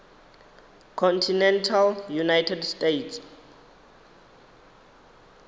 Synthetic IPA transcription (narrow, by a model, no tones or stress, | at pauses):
kʰɔntʰinɛntʰaljunajtʰɛdstʼets